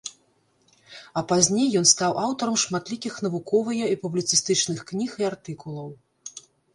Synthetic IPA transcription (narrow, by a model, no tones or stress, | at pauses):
ɐpazʲnʲejːɔnst̪awʔawt̪ɐɾɐmʂmat̪lʲikʲixn̪ɐvukɔvɨjɐipublʲit̪sɨst̪ɨt͡ʂnɨxknʲixiart̪ɨkulˠɐw